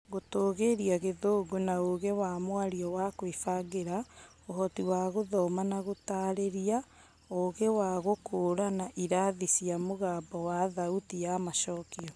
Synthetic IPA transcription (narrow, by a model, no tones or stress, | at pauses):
ɣotoːɣeɾiaɣeðoːɡonaoɣewamwaɾiɔwakwifaɣeɾa | ohɔtiwaːɣoðɔmanaɣotaːɾeɾia | oɣewaɣokoːɾanaʔiɾaðisiamoɣaːbɔwaðautijamaʃɔkiɔ